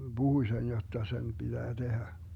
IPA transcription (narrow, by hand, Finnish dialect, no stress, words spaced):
b̥uhuĭ sen jotːɑ sen pid̥æː d̥ehæ